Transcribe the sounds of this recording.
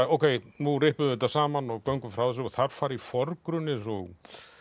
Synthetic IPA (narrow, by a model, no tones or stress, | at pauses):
owkʰejnurɪhpʏðt̪asaːmanɔɣkœwŋkʏmfɾawðɪs̬ʏɔθaɾ̥faːɾifɔɾkɾʏnːɪs̬ɔɣ